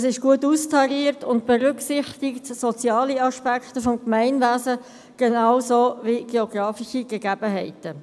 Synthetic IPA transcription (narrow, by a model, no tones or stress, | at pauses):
sɪʃɡ̥uətuːstʰɑɾiːəɾtʰʊnt̚b̥ɛʁʏksɪχtɪktsɔt͡sjɑːliɑʃpækχtəfɔmkmæɪnʋæːzə | ɡ̥enɑːwsoːviɡ̥eɔɡ̥ɾɑːfiʃiɡ̥əɡæb̥əɦɛɪtə